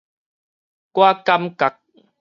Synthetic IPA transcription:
kwa˦ka˦mka˨k̚

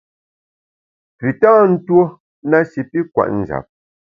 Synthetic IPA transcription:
pi˨tãː˦n̩˦two˦ | na˦si˨pi˦kwa̰˨ʔn̩˨d͡ʒa̰˨p̚

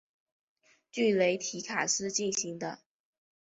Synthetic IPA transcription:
t͡ɕy˥˩le˧˥ɪt̪ʰi˧˥kʰa˨˩ʂɻ̩˥˧t͡ɕi˥˩nɕi˧˥ŋd̪ə˧

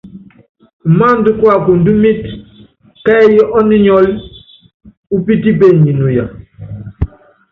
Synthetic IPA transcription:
ma˦˨n˦du˦kwa˦˨ku˨n˨du˦mi˦t | kɛ˦jɛ˦ʔɔ˦ni˦ɲɔ˦l | u˦pi˦ti˦be˦˨ɲi˨nu˨ja̰˨

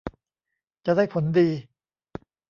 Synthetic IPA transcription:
t͡ɕa˨daː˥˩jpʰo˩˦ndiː˧

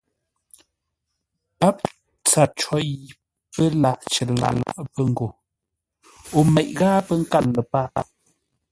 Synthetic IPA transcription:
pa˦p̚ | t͡sa˨t͡ʃɔ˨˦ji˨ | pə˦la˨ʔt͡ʃə˨la̰˨la̰˨ʔpə˦ŋ̩˨ɡo˨ | o˨mɛ˨ʔɣaː˦pə˦ŋ̩˦ka˦˨nlə˨pa˦˨

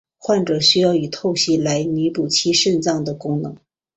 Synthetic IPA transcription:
xwa˥˩nʈ͡ʂɤ˨˩ɕy˥jɑ˥˩ʊi˨˩t̪ʰo˥˩ʊɕi˥la˧˥ɪni˧˥pu˨˩t͡ɕʰi˥ʂə˥˧nt͡sɑ˥˩ŋd̪ə˩kʊ˥ŋnɤ˧˥ŋ

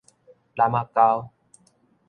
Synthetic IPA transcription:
la˨ma˧ka˦w

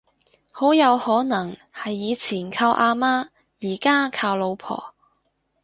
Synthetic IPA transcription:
ho˨˥wjɐ˨˧whɔː˨˥nɐ˨˩ŋhɐ˨jːiː˨˧t͡sʰiː˨˩nkʰaː˧wʔaː˧maː˥ | jiː˨˩kaː˥kʰaː˧wlo˨˧wpʰɔ̰ː˨˩

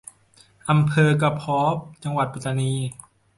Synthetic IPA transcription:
ʔa˧mpʰɤː˧ka˧pʰɔː˦˥p̚t͡ɕa˧ŋwa˨˩t̪̚pa˨˧t̪ːa˧niː˧

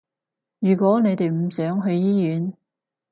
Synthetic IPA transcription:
jyː˨˩kwɔː˨˥ne˨˧jt̪e˨jm̩˨˩sœː˨˥ŋɦɵ˧ɥjiː˥jyː˨˥n

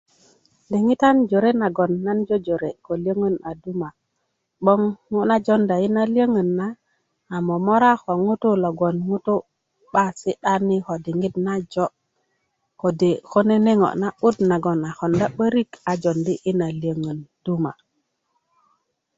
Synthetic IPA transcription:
di˨ŋi˦ta˦nd͡ʒo˨ɾe˦na˨ɡo˨nːa˦nd͡ʒo˦d͡ʒo˨ɾe˨ko˨li˦ə˦ŋə˦na˨du˦ma˨ | ɓo˦ŋːu˦na˦d͡ʒo˦nda˨i˦na˦li˦ə˦ŋə˨nːaː˦˨ | mo˨mo˦ɾa˦xo˨ŋu˦tu˦lo˨ɡo˨nŋu˦tu˦ | ɓa˦si˦ɗa˦ni˦ko˨di˨ŋɡi˦tna˦d͡ʒo˦ | ko˨de˨ko˦ne˦ne˦ŋo̰˨ʔna˦ɓu˦tna˨ɡo˨na˨xo˨nda˦ɓə˦ɾi˦ka˨d͡ʒo˨ndi˦ʔi˦na˨li˨ə˦ŋə˨nd̥u˦ma˨

